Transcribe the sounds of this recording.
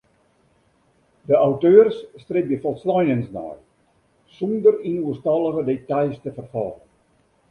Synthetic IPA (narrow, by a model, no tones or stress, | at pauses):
dəawtøːrsːtrebjəfɔlˠslɔjnənsnɔ̰j | sundərinuəstɑlˠəɣədetajstəfərfɑ̰ːlən